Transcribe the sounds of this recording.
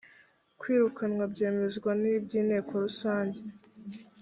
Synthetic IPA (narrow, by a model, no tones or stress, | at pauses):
kwiːɾukanŋwabɟe̞ːme̞zɡwanibɟiːne̞ːko̞ɾusaːɲɟe